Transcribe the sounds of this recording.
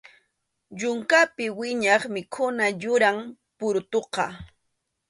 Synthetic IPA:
ʎʊŋkapɪwɪɲɑχmɪkʰʊnaʎʊɾaŋ | pʊɾt̪oqɑ

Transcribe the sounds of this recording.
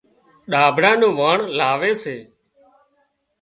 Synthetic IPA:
ɗaːbʱɽãːnũːʋaːɳlaːʋeːseː

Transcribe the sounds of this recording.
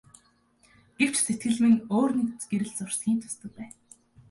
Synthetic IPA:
ɡ̥ew̥t͡ɕset̪̚ɡɘ̆ɮmɘ̆ŋoːrnek̚t͡sɡeɾɘ̆ɮt͡sʊr̥sɡʲiːnt̪ʰʊ̥st̪ə̆kpæːn

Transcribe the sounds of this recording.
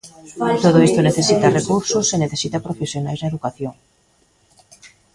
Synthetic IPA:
t̪oðoist̪oneθesit̪ɐrekuɾsoseneθesit̪ɐpɾofesjonajznɐeðukaθjoŋ

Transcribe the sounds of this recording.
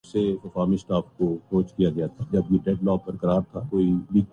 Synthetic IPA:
seɐfaːmɪsʈaːfkokoːt͡ʃkijaɡɐjat̪ʰad͡ʒɐbjeɖɛːɖlɔːpɐɾkəɐɾaːɾt̪ʰakoːiliː

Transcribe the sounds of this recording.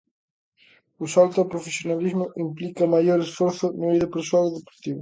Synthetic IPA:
ʊsalt̪apɾofesjonalizmʊʔimplikɐmajoɾesfɔɾθʊnuβiðɐpeɾsoalðepo̥ɾt̪iβʊ

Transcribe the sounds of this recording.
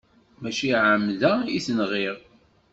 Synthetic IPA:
mæʃiʕəmːlæiθənʁiʁ

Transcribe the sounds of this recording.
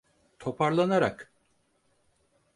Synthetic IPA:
t̪ʰo̞pʰaɾlˠanaɾa̰k

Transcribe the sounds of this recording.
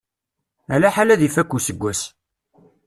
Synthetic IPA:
ælæħalæðifækʷːusəɡʷːæs

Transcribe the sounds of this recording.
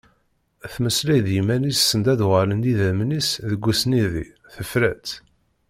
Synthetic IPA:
θməslæjðjimænisːənd̪æðʁələnd̪iðæmnisðəɡʷːusniðḭ | θəfɾæt͡s

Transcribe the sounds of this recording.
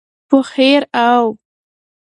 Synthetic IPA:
pʊxeɾaw

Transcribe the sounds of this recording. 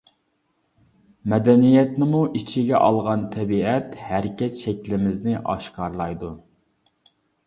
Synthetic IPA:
mɛd̪ɛnijɛt̪nɪmuʔit͡ʃʰiɡʲɛʔɑlˠʁɑnt̪ʰɛbiɛt̪hæɾɪkʲɛt̪ʃɛkʲlɪmɪznɪʔɑ̰ʃqɑɾlˠɑjd̪u

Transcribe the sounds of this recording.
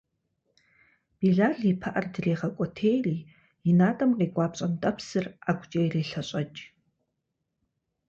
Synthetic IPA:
b̥iːɮaːɮiːpʰɐʔɐrdɨreːʁɐkʷʼɔtʰeːjriː | jɪnaːtʼɐmqeːɡʷʼaːpɕʼɐmtʼɐpsɨraːɡʷt͡ʃʼejreːɬɐɕʼɐt͡ʃʼ

